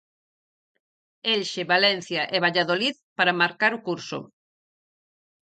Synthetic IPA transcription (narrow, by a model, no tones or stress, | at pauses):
elʃeβalɛn̟θjɐʔeβaʎaðoliðpaɾamaɾkaɾʊkuɾsʊ̰